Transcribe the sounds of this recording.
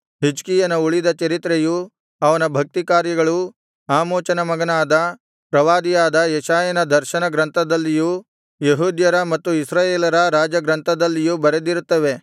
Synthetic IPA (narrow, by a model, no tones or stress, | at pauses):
ɦid͡ʒkijɐnɐuɭid̪ɐt͡ʃɐɾit̪ɾeju | ɐʋɐnɐbʱɐk̚t̪ikaːɾjɐɡɐɭu | aːmoːt͡ʃɐnɐmɐɡɐnaːd̪ɐ | pɾɐʋaːd̪ijaːd̪ɐjɛʃaːjɐnɐd̪ʱɐɾʃɐnɐɡɾɐnt̪ʰɐd̪ɐlːiju | jeɦuːd̪jɐɾɐmɐt̪ːuisɾaːjeːlɐɾɐɾaːd͡ʒɐɡɾɐnt̪ʰɐd̪ɐlːijubɐɾed̪iɾut̪ːɐʋe̞